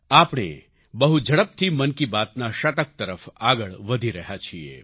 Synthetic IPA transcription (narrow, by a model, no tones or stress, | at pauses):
apɽ̃ḛ | bəɦud͡ʒʱəɽəp̚t̪ʰimənkibat̪naʃət̪ək̚t̪əɾəfaɡəɭʋəd̪ʱiɾəɦat͡ʃʰiḛ